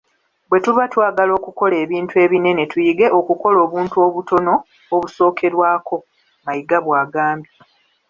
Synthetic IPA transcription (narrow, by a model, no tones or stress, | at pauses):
bwe̞tuβatwaːɡalo̞ːkuko̞le̞ːβiːntue̞ːβine̞ne̞tujiɡe̞ʔo̞kuko̞lo̞ːβuːntuo̞ːβutʰo̞no̞ː | βuso̞ːkʰe̞ɾwaːko̞ | majiɡaβwaːɡaːmbji